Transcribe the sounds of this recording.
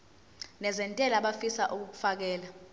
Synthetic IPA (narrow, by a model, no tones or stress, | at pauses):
nɛzɛntʼɛlaɓafisaʔuk̬uk̬u̥fak̬ɛːla